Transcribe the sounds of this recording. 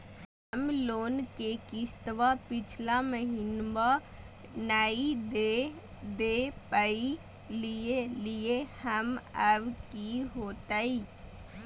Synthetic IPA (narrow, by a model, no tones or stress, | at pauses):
hɦ | əmloːnkekɪst̪ʋapɪt͡ʃʰlaməɦɪnba | naːid̪e | d̪eːpəi | lieliehəməʋkiɦoːt̪aːi